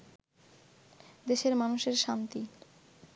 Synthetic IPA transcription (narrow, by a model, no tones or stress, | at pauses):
d̪eʃeɾmanuʃeɾʃant̪i